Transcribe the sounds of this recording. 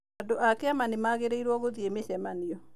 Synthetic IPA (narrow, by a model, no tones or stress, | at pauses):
adoʔakɛamanimaɣeɾeiɾwɔɣoðiemesɛmaniɔ